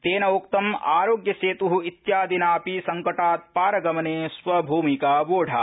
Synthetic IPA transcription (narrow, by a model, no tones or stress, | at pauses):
t̪eːnɐokt̪ɐma̰ːɾoːɡjɐseːt̪uɦuit̪jaːd̪inaːpisɐŋkɐʈaːt̪̚paːɾɐɡɐmɐneːsʋɐbʱuːmikaːʋoːɖʱa̰ː